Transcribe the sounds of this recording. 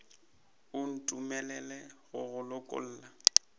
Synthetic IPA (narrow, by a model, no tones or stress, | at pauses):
ʊn̩tʼumɛlɛlɛɣʊɣʊlʊkʼʊ̰l̩ːla